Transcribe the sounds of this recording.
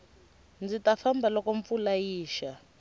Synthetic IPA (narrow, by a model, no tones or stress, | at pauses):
nd͡zitafambʱalɔkɔɱfulajiːʃa